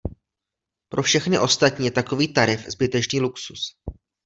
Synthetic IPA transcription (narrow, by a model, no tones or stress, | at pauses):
pɾʔo̞fʃɛxnɪʔo̞st̪at̪̚ɲiːjɛt̪ako̞viːt̪aɾɪfzbɪt̪ɛt͡ʃniːluksus